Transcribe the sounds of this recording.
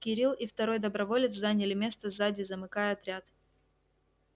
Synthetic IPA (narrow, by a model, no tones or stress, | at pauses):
kʲɪɾʲilˠift̪ɐɾo̞jd̪əbɾɐvo̞lʲɪt̪szanʲɪlʲɪmʲe̞st̪əzadʲɪzəmɨkajəɐt̪ɾʲat̪